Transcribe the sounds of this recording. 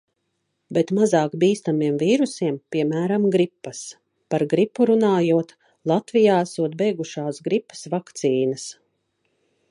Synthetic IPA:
bɛt̪mazɑːkbiːst̪amiɛmviːɾusiɛmpiɛmæːɾamɡɾipːɐs | paɾɡɾipːuɾunaːjuɔt̪ | lˠat̪vijaːæsuɔt̪̚bɛjɡuʃaːsɡɾipːə̥svakt̪siːnəs

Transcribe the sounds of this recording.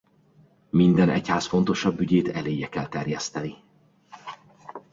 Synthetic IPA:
mind̪ɛnʔɛ̰chaːsfo̞nt̪o̞ʃɒbːyɟeːt̪ɛleːjːɛkɛlt̪ɛrjɛst̪ɛni

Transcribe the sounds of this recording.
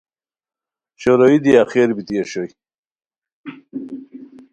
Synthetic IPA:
ɕoɾowid̪iaxeɾbit̪ijeɕoj

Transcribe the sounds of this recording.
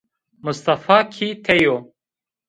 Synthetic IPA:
mʊst̪ɐfaːkʰiːt̪ʰɛjoː

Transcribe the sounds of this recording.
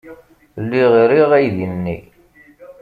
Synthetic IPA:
lːiʁɾiʁæjðinːḭ

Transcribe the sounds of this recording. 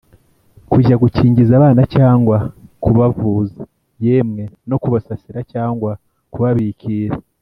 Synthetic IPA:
kuʒaɡuciːɲɟizaβaːnacaːŋɡwakuβavuːze | jemŋe̞no̞kuβasasiɾacaːŋɡwa | kuβaβikʰiːɾa

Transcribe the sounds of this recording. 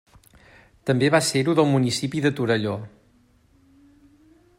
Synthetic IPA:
t̪əmbeβaseɾuðəlˠmunisipiðət̪uɾəʎo

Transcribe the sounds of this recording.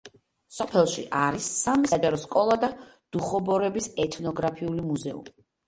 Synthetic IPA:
sɔpʰɛlˠʃiʔaɾisːamisad͡ʒaɾɔskʼɔlˠad̪ad̪̥uχɔbɔɾɛbisɛt̪ʰnɔɡɾapʰiulimuzɛṵmi

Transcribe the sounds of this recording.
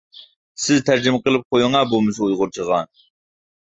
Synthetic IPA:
sɪzt̪ʰæɾd͡ʒɪmqəlˠɨp̚qʰojʊŋɑbolˠmɨs̬ujʁʊɾt͡ʃʰəʁɑn

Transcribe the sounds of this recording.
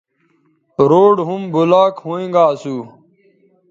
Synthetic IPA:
ɾoːɖɦumbulaːkhoːẽŋɡaːsuː

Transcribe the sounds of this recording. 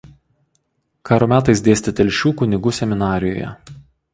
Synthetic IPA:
kɑːɾoːmʲæːt̪ɐɪsd̪ʲeːsʲt̪ʲɪt̪ʲɛlʲʃʲuːkʊnʲɪɡʊsʲɛmʲɪnɑːɾʲɪjo̰ːjɛ̰

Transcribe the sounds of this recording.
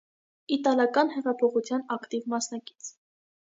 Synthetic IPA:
it̪ɑlɑkɑnhɛʁɑpʰɔχut͡sʰjɑnɑkt̪ivmɑsnɑki̥t͡sʰ

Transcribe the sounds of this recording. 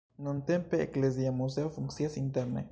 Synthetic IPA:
nõnt̪empeːkles̬jamus̬eofuŋksjasint̪eɾnḛ

